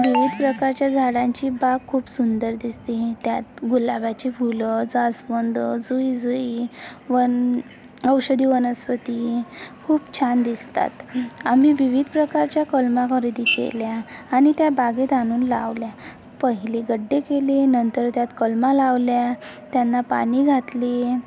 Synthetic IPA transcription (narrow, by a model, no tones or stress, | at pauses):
ʋiʋid̪ʱpɾəkaɾt͡ɕjad͡zʱaɽãɲt͡ɕibaɡ̚kʰuːpsund̪əɾd̪ist̪it̪jat̪ɡulabat͡ɕebʱuləd͡zasʋənd̪əd͡zuid͡zuiʋən | əwɕəd̪iːʋənəsʋət̪ikʰuːpt͡ɕʰand̪ist̪a̰t̪am̤iʋiʋid̪pɾəkaɾt͡ɕjakəlmakʰəɾid̪ikḛljaːñit̪jabaɡet̪añuːnlaʋlja | pəɦileɡəɖːekelenənt̪əɾt̪jat̪kəlmalaʋljat̪janːapa̰niɡʱat̪li